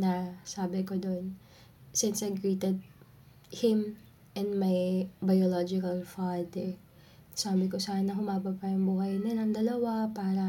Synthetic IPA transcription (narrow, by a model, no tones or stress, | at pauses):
nɐsaːbɪkod̪on | sɪnsɐjɡɹiːt̪ɛd̪̚ | hɪm | ʔɛnmajbɐjolod͡ʒɪkɐlfad̪ɛ | saːbɪkosaːɪnːɐhʊmaːbɐpɐjʊŋbuːhɐjnɪlɐŋd̪ɐlɐwapaːɾɐ